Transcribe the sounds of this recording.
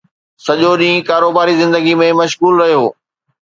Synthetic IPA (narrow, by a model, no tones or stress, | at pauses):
sɐʄoɗĩːkaːɾoːbaːɾizɪ̃nd̪əɡimẽmɐʃɣuːlɾɐɦijoː